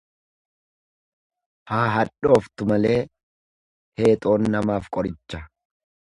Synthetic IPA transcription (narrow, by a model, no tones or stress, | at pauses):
haːɦɐᶑo̞ːft̪ʊmɐle̞ː | he̞ːt̪ʼo̞ːnːɐmaːfkʼɔɾɪt͡ʃːɐ